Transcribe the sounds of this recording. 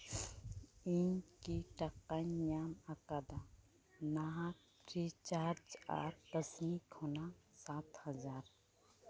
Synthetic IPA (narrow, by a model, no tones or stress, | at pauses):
inkiʈakanjamakad̪a | naɦa | pɾit͡ʃaɾd͡ʒa̰ɾpəsnikʰonasat̪həd͡ʒaɾ